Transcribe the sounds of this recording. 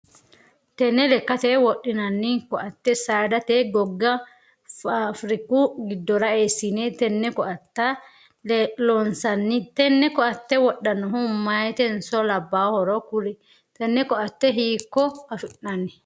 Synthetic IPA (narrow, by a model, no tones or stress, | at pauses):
t̪ɛnːɛlɛkːɐt̪ɛwɔɗːɪnɐnːɪkɔʔɐt̪ːɛsaːd̪ɐt̪eːɡɔɡːɐ | afɾɪkːuɡɪd̪ːɔɾɐeːsːinɛt̪ɛnːɛkɔʔɐt̪ːa | lɛloːnsɐnːɪt̪ɛnːɛkɔɐt̪ːɛwɔɗːɐnɔhumaːjt̪ɛnsɔlɐbːaːhɔɾɔkʊɾɛ | t̪ɛnːɛkɔɐt̪ːɛɦiːkːɔɐfɪʔnɐnːɪ